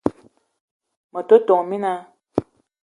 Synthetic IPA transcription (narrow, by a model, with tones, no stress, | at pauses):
mɔ˨to˦to˨ŋ˨mi˦na˦